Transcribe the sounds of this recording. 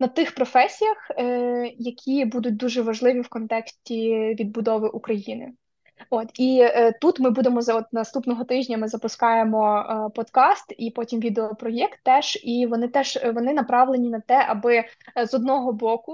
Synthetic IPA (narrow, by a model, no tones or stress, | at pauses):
nɐt̪ɪxpɾɔfɛsʲijɐx | jɐkʲʰibud̪ʊt̚ʲd̪uʒɛʋɐʒlˠɪʋʲiwkɔnt̪ɛksʲtʲiʋʲid̪̚bʊd̪ɔʋɪʔukɾɐjinɪ̰ | ɔt̪it̪ut̪mɪbud̪emɔzɔt̪nɐst̪upnɔɦɔt̪ɪʒʲnʲɐmɪzɐpʊskɑjemɔpɔt̪kɑst̪ipɔtʲimʋʲid̪eɔpɾɔjɛkt̪ːɛʒ̥iʋɔnɪt̪ɛʒ̥ʋɔnɪnɐpɾɑʋlˠenʲinɐt̪ɛʔɐbɪzɔd̪̚nɔɦɔbɔkʊ